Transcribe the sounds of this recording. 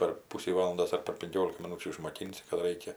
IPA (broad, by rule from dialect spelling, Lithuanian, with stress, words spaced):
pʲɛr ˈpʊsʲiː ˈʋɑːlˠɐndoːs ɐr pʲɛr pʲɪŋʲˈkʲoːlʲɪkɐ mʲɪˈnuːt͡ʃʲuː ɪʃmoːˈkʲɪnʲsʲɪ kɐt ˈrɐɪkʲɛ